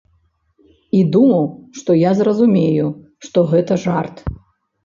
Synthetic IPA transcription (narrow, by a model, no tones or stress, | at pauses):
id̪umɐwʂt̪ɔjazrɐzumʲeju | ʂt̪ɔɣɛt̪ɐʐart̪